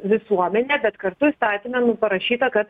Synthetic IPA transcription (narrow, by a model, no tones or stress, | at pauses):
ʋʲɪsuɔmʲɛnʲɛːbʲɛt̪kɐɾt̪ʊist̪ɑːt̪ʲimʲɛnʊpɐɾɐʃʲiːt̪ɐkɐt̪